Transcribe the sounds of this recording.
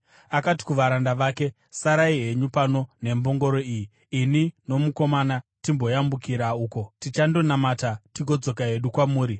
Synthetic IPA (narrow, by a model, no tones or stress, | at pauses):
akati̥kuʋaɾandaʋaːke̞ | saɾaiɦe̞ɲupano̞ne̞mbo̞ŋɡo̞ɾo̞iːji | inino̞muko̞manatimbo̞jambukiɾauːko̞tit͡ʃando̞namatatiɡo̞d͡zo̞kaɦe̞ɗukwamuːɾi